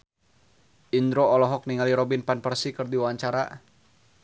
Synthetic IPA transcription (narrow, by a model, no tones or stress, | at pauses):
ʔind̪ɾoɔlɔɦɔk̚niŋaliɾɔbinpanpərsikɨrdiwawaɲt͡ʃaɾa